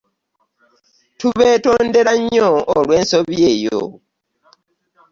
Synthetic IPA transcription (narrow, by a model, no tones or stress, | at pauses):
tuβeːto̞ːnde̞ɾaɲoːlwe̞ːnso̞βje̞ːjo̰